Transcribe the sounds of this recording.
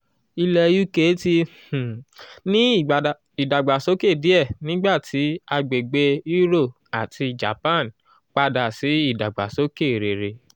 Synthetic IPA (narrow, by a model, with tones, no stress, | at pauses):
i˧lɛ˧ju˦ke˨˦tĩ˧˨ | nĩ˦˨ | i˨da˨ɡ͡ba˨so˨˦ke˦˨di˨˦ɛ˦˨nĩ˦ɡ͡ba˦˨tʰi˨˦a˧ɡ͡be˨ɡ͡be˧˦i˦ɾo˦˨ | a˨tʰi˧d͡ʒa˨pã˦˨n˨ | k͡pa˧da˨si˨˦i˦˨da˨ɡ͡ba̰˨so˨˦ke˦˨ɾe˨ɾe˧